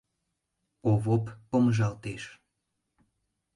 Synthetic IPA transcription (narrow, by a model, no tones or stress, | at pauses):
oβopːomʒɑlt̪eʃ